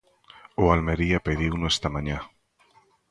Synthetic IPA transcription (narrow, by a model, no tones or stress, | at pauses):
ʊalmeɾiapeðiwnoest̪amãɲã